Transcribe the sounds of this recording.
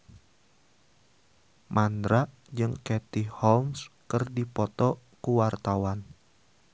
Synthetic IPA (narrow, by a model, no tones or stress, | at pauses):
mʔandɾaʔ | d͡ʒɨŋkɛt̪ihɔlmskɨrdipɔt̪ɔ | kuwart̪awan